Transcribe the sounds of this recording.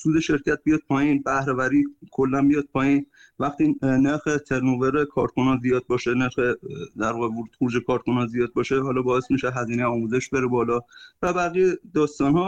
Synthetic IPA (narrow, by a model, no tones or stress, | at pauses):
suːd̪eʃe̞ɾcʰæt̪̚bijɒːd̪̥̚pʰɒːjiːnbæhɾevæɾiːkʰolːænbijɒːd̪̚pʰɒːjiːn | væxt̪iːneɾxet̪ʰe̞ɾnoveɾekʰɒːɾt̪kʰonɒzijɒːd̪̚bɒːʃeneɾxed̪æɾvɒɣevoɾuːd̪xoɾuːd͡ʒekʰɒːɾkʰonɒzijɒːd̪̚bɒːʃeɦɒːlɒːbɒːe̞smiʃeɦæziːnejɒːmuːze̞ʃbe̞ɾebɒːlɒːvæbæɣijed̪ɒːst̪ɒnhɒː